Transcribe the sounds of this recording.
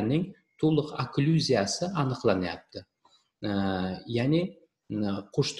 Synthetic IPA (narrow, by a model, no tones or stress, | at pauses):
nɪŋ | t̪ʰolˠəqaklʲuzʲijasəɑnəqlˠɑnjɑ̰pt̪ːə | jæne | qʰʊʃt̪